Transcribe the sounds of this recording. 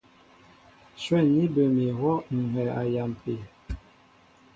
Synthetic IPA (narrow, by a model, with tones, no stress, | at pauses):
swɛ˦˨ni˦bə˨mi˨hwɔ˦ŋ̩˨ɦɛ˨a˨ja˨m˨pe˨